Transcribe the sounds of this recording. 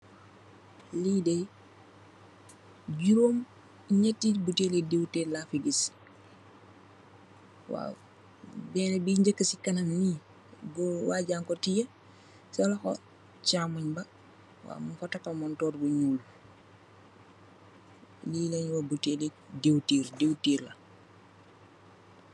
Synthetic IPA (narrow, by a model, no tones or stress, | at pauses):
liːde | ɟuɾoːm | ɲetːibuteledewtelafiɡis | wa̰ | bɛːnebiɲɟəkːəsikɐnɐnni | buwaːɟaːŋkɔtijɐ | sɐlɐxo | t͡ʃaːmuɲbɐ | wa̰ːmufɐtɐkːɐmɔntɔːɾbuɲuːl | liːlɛɲwɐbutele | dewtiːɾdewtiːɾla